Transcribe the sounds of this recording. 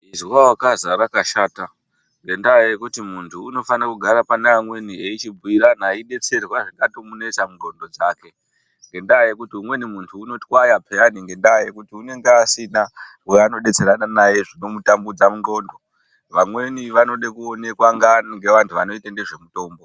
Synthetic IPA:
izwawakazaɾakaʃaːta | ŋɡe̞ndajekutimuntʰuːno̞fanakuɡʱaɾapaneamwe̞nieit͡ʃibuiɾanaiɗe̞t͡se̞rwaʐikatomune̞t͡samundo̞ndo̞d͡zaːke̞ | ŋɡe̞ndajekutiumwe̞nimuntʰuːno̞twajapʰeaniŋɡe̞ndaje̞kutiune̞ŋɡeasina | eano̞ɗe̞t͡se̞ɾananaje̞ʐino̞mutambud͡zamundo̞ːndo̞ | ʋamwe̞niʋano̞ɗekuone̞kwaŋɡaŋɡe̞ʋantʰuʋano̞itandeʐe̞muto̞ːmbo

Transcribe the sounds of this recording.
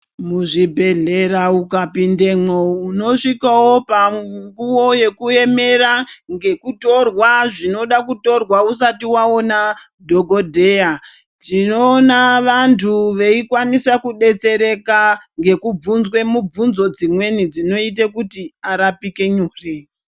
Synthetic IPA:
muʐibʱe̞ɮe̞raukapinde̞mouno̞ʂikawo̞paŋɡuwo̞je̞kue̞me̞ɾaŋɡe̞kuto̞rwaʐino̞ɗakuto̞rwaus̬atiwaona | dʱo̞ɡʱo̞dʱe̞ja | tinoːnaʋantʰuʋe̞ikwanisakuɗe̞t͡se̞ɾe̞kaŋɡe̞kub͡vunzwe̞mub͡vunzo̞d͡zimwe̞nid͡zino̞it̬ekutiaɾapike̞ɲuːre

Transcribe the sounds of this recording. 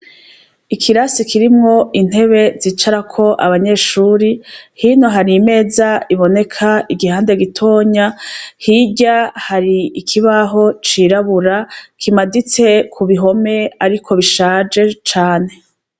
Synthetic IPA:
ikʰiɾasikʰiɾimŋo̞ʔin̥e̞βe̞zit͡ʃaɾakʰo̞ʔaβaɲe̞ːʃuːɾihiːno̞ɦaɾiːme̞ːzaiβo̞ne̞kʰaiɡihaːnde̞ɡitʰo̞ːɲahiɟahaɾiikʰiβaɦo̞t͡ʃiɾaβuɾakʰimadit͡se̞kʰuβiɦo̞me̞aɾikʰo̞βiʃaːd͡ʒe̞t͡ʃaːne̞

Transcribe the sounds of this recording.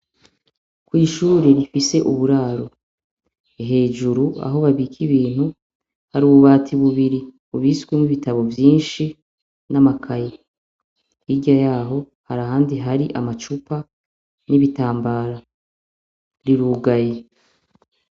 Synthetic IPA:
kwiːʃuːɾe̞ɾifise̞ʔuβuɾaːɾo̞ | eɦe̞ːʒuɾua̰ɦo̞βaβikʰiβiːn̥hu | haɾiuβuβaːtʰiβuβiɾi | uβisɡwemŋwiβitaβo̞vjiːnʃi | namakʰaje | iɟajaːɦo̞ | haɾaɦaːndiɦaɾiʔamat͡ʃupa | niβitaːmbaːɾa | ɾiɾuːɡaje̞

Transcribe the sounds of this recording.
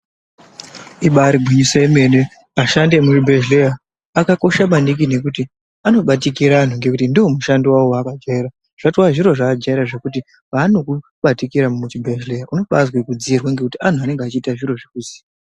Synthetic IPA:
iɓaɾiɡʱwiɲisaeme̞ne | aʃandemut͡ʃibʱe̞ʒlejaː | kako̞ʃamandik̬ine̞kuti | ano̞ɓatikiɾaːn̤uŋɡe̞kutindiwo̞muʃandiwawowaːkad͡ʒaiɾa | ʐ̥atwaʐiɾo̞ʐaad͡ʒaiɾaʐe̞kuti | ʋaːno̞ku | ɓatikiɾammut͡ʃibʱeʒleaʔuno̞ɓazwekud͡ziːrwaŋɡekutian̤uane̞ŋɡeat͡ʃiːtaʐiro̞ʐekuziːa

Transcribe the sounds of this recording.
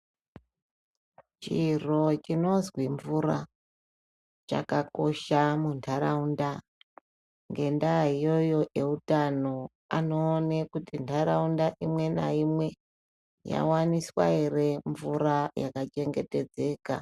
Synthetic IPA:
t͡ʃiro̞t͡ʃino̞zwiɱvura | t͡ʃa̰kako̞ʃamuntʰaɾaunda | ŋɡe̞ndaɦijo̞jo̞ʔe̞utano̞ | ano̞ːnekutintʰaɾaundaʔimwe̞na̰imwe̞ | ja̰waniswa̰ere̞ɱvuɾaja̰kat͡ʃe̞ŋɡe̞te̞d͡ze̞ːka̰

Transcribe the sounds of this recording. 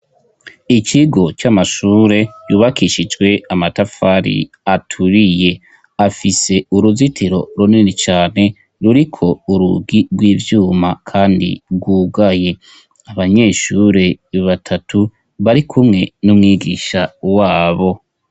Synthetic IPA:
ikiɡo̞t͡ʃamaʃuːɾe̞juːβakiʃid͡ʒɡwe̞amatafaɾḭ | atʰuɾije̞ | afise̞uɾuzitiɾo̞ɾuninet͡ʃaːne̞ | ɾuɾikʰo̞uɾṵɡiɡwiːvjuːmakʰaːndḭɡwuːɡaje̞ | aβaɲe̞ʃuɾe̞βatʰatʰu | βaɾikʰumŋe̞numŋiːɡḭːʃawaːβo̞

